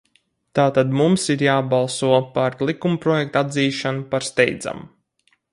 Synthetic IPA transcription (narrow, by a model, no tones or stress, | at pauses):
t̪aːt̪ad̪mumsiɾjaːbalˠsuɔpaɾlˠikumpɾɔjɛkt̪ad̪ziːʃanupaɾst̪ɛjd̪za̰m